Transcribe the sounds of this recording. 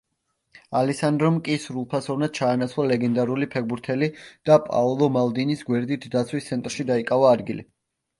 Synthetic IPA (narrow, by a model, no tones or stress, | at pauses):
alɛsand̪ɾɔmkʼisɾulˠpʰasɔvnad̪̥̚t͡ʃʰaːnat̪sʰwlˠalɛɡɛnd̪aɾulipʰɛɡbuɾt̪ʰɛlid̪̥apʼa̰lˠɔmalˠd̪inisɡwɛɾd̪it̪ʰd̪at̪sʰwist̪sʰɛnt̪ʼɾʃid̪aikʼavaːd̪ɡilḭ